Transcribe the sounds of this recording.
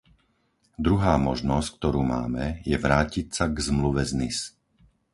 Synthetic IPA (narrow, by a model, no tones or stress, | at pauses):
d̪ɾuɦaːmɔʒnɔsc̚k̚t̪ɔɾuːmaːmɛjɛʋɾaːcicsaɡzmluʋɛznis